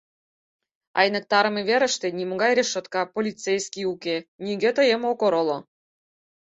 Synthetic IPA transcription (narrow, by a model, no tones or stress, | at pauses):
ɑ̰jnə̆k̚t̪ɑɾə̆meβeɾə̆ʃt̪ĕnʲimoɣɑjɾʲeʃːŏt̪kɑpolʲit͡sejskʲiukenʲiɡʲet̪ə̆jemokoɾŏlo